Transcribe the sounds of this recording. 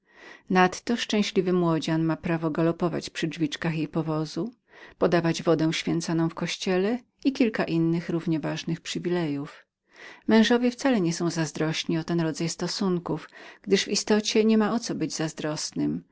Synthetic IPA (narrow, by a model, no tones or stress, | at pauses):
nat̪ːɔʂt͡ʂɛ̃w̃ɕlʲivɘmwɔd͡ʑanmapɾavɔɡalɔpɔva̰t͡ɕpʂɘd͡ʐvʲit͡ʂkaxjejpɔvɔzu | pɔd̪avad͡ʑvɔd̪ɛ̃w̃ɕfʲjɛnt̪sɔnɔ̃w̃fkɔɕt͡ɕɛlɛ | ikʲilkaʔinːɘxɾuvɲɛvaʐnɘxpʂɘvʲilɛjuf | mɛ̃w̃ʐɔvʲjɛft̪salɛɲɛsɔ̃w̃zazd̪ɾɔɕɲiɔt̪ɛnɾɔd̪zajst̪ɔsuŋkufɡ̥d̪ɘʐvist̪ɔt͡ɕɛɲɛmaɔt̪sɔbɘd͡ʑzazd̪ɾɔsnɘm